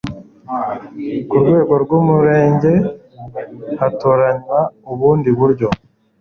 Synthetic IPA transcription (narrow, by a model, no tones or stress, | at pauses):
kuɾɡwe̞ːɡo̞ɾɡumuɾe̞ːɲɟe̞ | hatoɾaɲwauβuːndiβuɾɟo̞